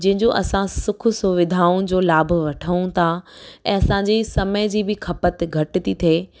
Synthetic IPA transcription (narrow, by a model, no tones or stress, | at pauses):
d͡ʑɐ̃ɦɪ̃ɲd͡ʑoʔɐsãsʊkʰsʊʋɪd̪ʱaːʊ̃d͡ʑoːlaːbʱʊʋɐʈʰəũt̪ʰaɛ̃ːɐsãːɲd͡ʑesɐməjd͡ʑiːbɪkʰɐpət̪ɡʱɐʈɪ̆t̪it̪ʰeː